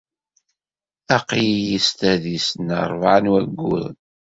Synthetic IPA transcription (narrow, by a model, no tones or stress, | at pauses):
æqijjist̪æðisnə̰ɾˤvʕənwæɡːʊ̰ðn